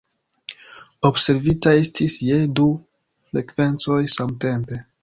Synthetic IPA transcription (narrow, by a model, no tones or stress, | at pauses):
obse̞ɾvitaestʰisje̞du | fɾe̞kve̞nt͡so̞jsamte̞mpe̞